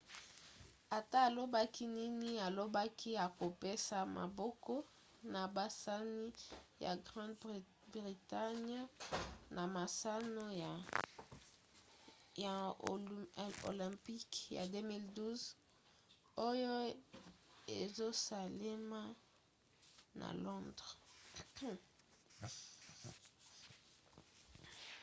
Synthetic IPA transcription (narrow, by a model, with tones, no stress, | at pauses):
a˨ta˦a˨lo˦ba˦ki˦ni˦ni˦a˨lo˦ba˦kʰi˦a˨ko˨pe˦sa˨ma̰˨bɔ˦kɔ˦ | na˨ba˨sa˦ni˦ja̰˨ɡʁɑ̃˦d | bʁi˨ta˦ɲ˦na˨ma˨sa˦no˦ | ja˨ | o̰˨lɛ̃˨pi˦kja̰˨dø˦mi˦ldu˦z | o˦jo˦ | e˨zo˦sa˨le˦ma˦ | na̰˨lɔ̃˦ndʁ